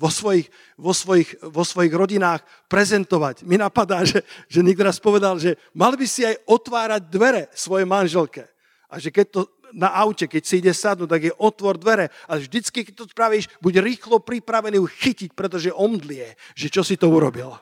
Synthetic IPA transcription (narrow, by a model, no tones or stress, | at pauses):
ʋɔsʋɔjix | ʋɔsʋɔjixʋɔsʋɔjiɣɾɔɟinaːx | pɾɛzɛnt̪ɔʋacminapad̪aːʒɛʒɛɲɛk̚t̪ɔɾaspɔʋɛd̪alʒɛ | malbisiajɔt̪ʋaːɾaɟ̚d̪ʋɛɾɛsʋɔjɛmanʒɛlkɛ | ʔaʒɛkɛc̚t̪ɔ | naʔawcɛkɛcsiiɟɛsad̪nuːt̪aɡjɛʔɔt̪ʋɔɾd̪ʋɛɾɛalɛvʒd̪it͡skikɛc̚t̪ɔspɾaʋiːʃbuɟɾiːxlɔpɾipɾaʋɛniːxicic̚pɾɛt̪ɔʒɛʔɔmd̪lɪɛʒ̥ɛt͡ʃɔsit̪ɔuɾɔbil